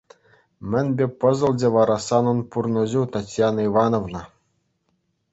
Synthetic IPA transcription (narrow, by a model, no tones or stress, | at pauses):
mʲɘ̆nʲbʲepɤ̆zɤ̆lˠdʲeʋɑɾɑsɑnɤ̆npurnŏʑut̪ɑtʲjɑniʋɑnovnɤ̆